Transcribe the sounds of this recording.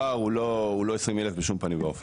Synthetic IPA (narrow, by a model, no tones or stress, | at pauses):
aʁulouloesʁimelefbeʃumpanivof